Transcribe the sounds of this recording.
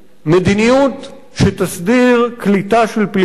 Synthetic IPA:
med̪inijut̪ | ʃet̪asd̪iʁklit̪aʃelpl

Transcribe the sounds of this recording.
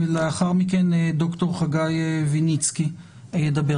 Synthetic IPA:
veleaχaʁmikend̪okt̪o̞ʁχaɡajvinit͡ski | ajed̪abe

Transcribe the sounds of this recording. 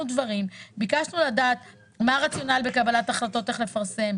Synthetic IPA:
ud̪vaʁimbikaʃnuladaːt̪ | maʁat͡sjo̞nalbe̞kabalat̪aχlato̞t̪e̞χle̞faʁse̞m

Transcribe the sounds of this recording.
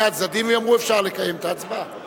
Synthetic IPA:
atzd̪ad̪imvjamʁuefʃaʁlekajemt̪aːt͡sba

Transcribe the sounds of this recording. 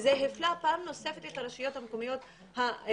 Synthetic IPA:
zeɦeflapaːmno̞se̞fetethaɾeʃijo̞thamekomijo̞t | ha

